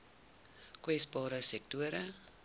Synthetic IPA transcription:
kwɛsbɑːɾəsɛk̚tuəɾə

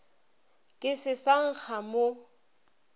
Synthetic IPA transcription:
kʼɪsɪsaŋ̩k͡xʰamo

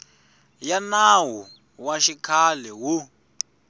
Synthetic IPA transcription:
janawɔ | waʃikʰalɛɦu

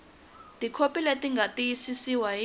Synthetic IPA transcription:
tʼikʰopʼilɛtʼiŋɡʱatʼijisisiwai

